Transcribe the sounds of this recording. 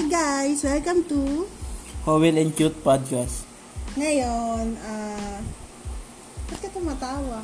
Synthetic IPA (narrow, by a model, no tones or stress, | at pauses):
ɡajswɛlkamt̪u | howɛlɛnt͡ʃut̪̚pad̪̚kas | ŋajɔna | tpat̪̚kat̪umat̪awa